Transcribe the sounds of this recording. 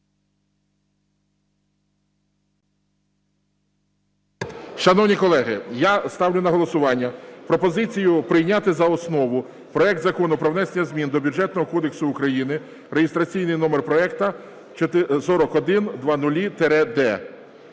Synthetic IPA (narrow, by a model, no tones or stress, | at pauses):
ʃɐnɔwnʲikɔlˠɛɦɪjast̪ɑwlʲʊnɐɦɔlˠɔsʊʋɑnʲːɐpɾɔpɔzɪt͡sʲijʊpɾɪjnʲat̪ɪzɐɔsnɔʋʊ | pɾɔɛk̚d̪zɐkɔnʊpɾɔwnɛsʲenʲɐzʲmʲind̪ɔbʲud͡ʒɛt̪nɔɦɔkɔd̪eksʊːkɾɐjinɪ | reɦɪst̪ɾɐt͡sʲijnɪjn̪ɔmerpɾɔɛkt̪ɐ | t͡ʃ̪ɪsɔɾɔkɔd̪ɪnd̪ʋɑnʊlʲit̪eɾɛd̪ɛ